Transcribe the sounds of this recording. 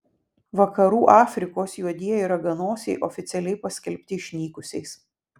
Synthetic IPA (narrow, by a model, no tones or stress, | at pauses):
ʋɐkɐɾuːʔɑːfʲɾʲɪkoːsjuɔd̪ʲiɛjiɾɐɡɐnoːsʲɛɪʔɔfʲɪt̪sʲɛlʲɛɪpɐsʲkʲɛlʲpʲt̪ʲɪʃʲnʲiːkʊsʲɛɪs